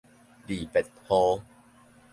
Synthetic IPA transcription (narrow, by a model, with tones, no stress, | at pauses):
diː˨˩pe˨˩t̪̚ho˧